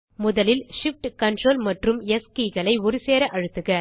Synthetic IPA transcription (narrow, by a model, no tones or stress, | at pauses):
mʊðɐlɪlʂɪfʈkɐɳʈroːlmɐʈrɯmɛskiːɣɐɭɐɪɔɾɯseːɾɐʔɐɻɯt̪ːɯɣɐ